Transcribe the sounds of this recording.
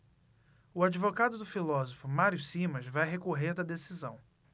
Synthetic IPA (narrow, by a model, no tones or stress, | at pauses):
ʊad͡ʒivoɡad̪ʊd̪ʊfilɔzofʊmaɾjʊsimɐzvajɦekoɦeɾd̪ɐd̪esizɐ̃w̃